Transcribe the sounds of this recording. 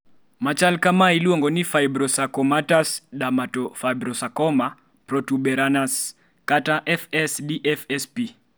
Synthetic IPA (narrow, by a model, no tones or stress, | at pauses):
mat͡ʃalkamailiɔŋɡɔnifaibɾɔsakɔmatasɗamatɔfajbɾɔsakɔma | pɾɔtuɓɛɾanas | kataʔɛfɛsdiʔɛfɛspi